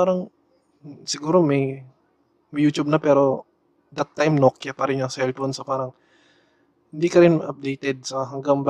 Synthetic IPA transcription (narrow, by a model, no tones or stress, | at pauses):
aːɾɐŋ | sɪɡuːɾo̞mɐj | mɐjuːt͡ʃʊb̚nɐpɛːɾo̞ | d̪ɐt̪ːajmnokjapɐɾɪnjoŋsɛlfonsopaːɾɐŋ | hɪnd̪ikɐɾɪnʔɐp̚d̪ejt̪ɛd̪̚sɐɦɐŋɡaŋb